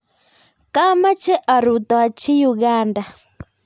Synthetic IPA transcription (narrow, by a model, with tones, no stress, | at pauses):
ka˦ma˦t͡ʃɛ˦ʔa˨ɾu˨t̪ɔ˨a˨t͡ʃi˦ju˨ɣaː˦nda˨